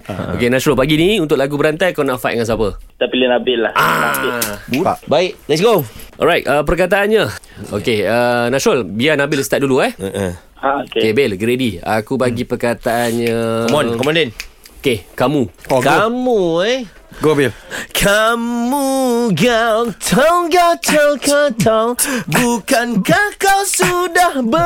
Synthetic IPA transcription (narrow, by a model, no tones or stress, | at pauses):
o̰kenat͡ʃɾolpaɡiniunt̪ʊk̚laɡubəɾant̪ajkanaʔfa̰jt̚ŋansapət̪apilinabɪlahaabua̰baiʔlɛtsɡoʔɔ̰ɾajt̚əpərkat̪aʔanɲao̰keənaʃɾolbianabɪlst̪at̪̚duluah | aookekebelɡəɾedia̰kubaɡipərkat̪aʔanɲaɔmɔnkɔmãndɛnokekamuokamuj | ɡobilkʰamuɡawt̪ʰawɡat̪ʰawkat̪ʰawbukankahkawsudahbə